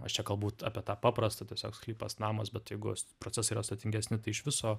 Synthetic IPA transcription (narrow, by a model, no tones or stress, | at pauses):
ɐʃt͡ʃʲɛkɐlˠbuːt̪ɑ̰ːpʲiɛt̪ɑːpɑːpɾɐst̪ɐt̪ʲiɛsʲoːksklʲiːpɐsnɑːmɐsbʲɛt̪jɛɪɡʊspɾot͡sʲɛsɐiːɾɐst̪ɐt̪ʲɪŋɡʲɛsʲnʲɪt̪ɐɪɪʃʋʲɪsoː